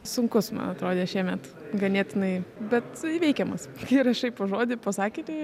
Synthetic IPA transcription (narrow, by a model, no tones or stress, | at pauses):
sʊŋkʊsmɐ̰nɐt̪ɾoːd̪ʲeːʃʲiɛmʲɛt̪ | ɡɐnʲeːt̪ʲɪnɐɪbʲɛt̪iʋʲɛɪkʲɛmɐskɪɾɐʃɐɪpoʒoːd̪ʲɪpɐsɑːkʲɪːt̪ʲɛ